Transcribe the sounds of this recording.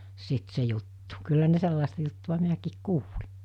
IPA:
sit se jutːu̥ kylːæ ne selːɑˑestɑ jutːuʋ̆ɑ minækiːk kuːli

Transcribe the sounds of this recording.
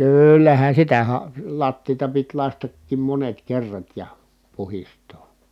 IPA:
kyˑlːæhæn̞ sitæ hɑ lɑtːiːtɑ pit lɑstətːiːm monet kerːɑt jɑ puhistˑoː

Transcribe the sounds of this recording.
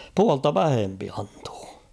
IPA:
puɑltɑ ʋæhempi ɑnto̥ː

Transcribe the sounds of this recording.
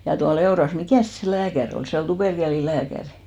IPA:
jɑ tuɑl eorɑs mikæˑs se læːkær ol se ol tuperkelilæːkæri̥

